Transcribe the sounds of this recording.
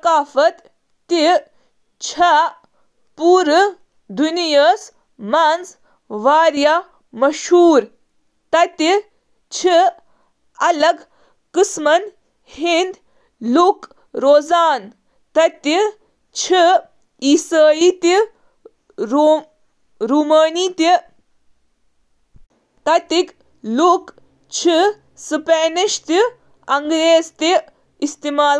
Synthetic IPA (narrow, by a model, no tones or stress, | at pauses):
kaːfɐt̪ː | i | t͡ʃʰa | puːɾɨ | d̪unijas | maːns | ʋaːɾja | mɐʃhuːɾ | t̪ɐt̪i | t͡ʃʰi | ɐlɐɡ | kɨsmɐn | hind̪ | luk | ɾoːzaːn | t̪ɐt̪i | t͡ʃʰi | isaːjit̪i | ɾuːmaːniːt̪i | t̪ɐt̪ik | luk | t͡ʃʰi | sɨpeːniʃt̪i | ɐŋɡɾeːzt̪i | ist̪imaːl